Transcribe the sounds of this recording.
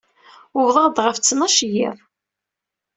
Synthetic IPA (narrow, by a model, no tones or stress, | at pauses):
ʊvðˤɑd̪ʁəft͡sːnɑʃjiðˤ